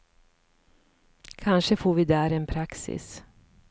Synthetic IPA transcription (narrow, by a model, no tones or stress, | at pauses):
kʰanʂəfoːɾvɪd̪æːɾɛnpʰɾaksɪ̰s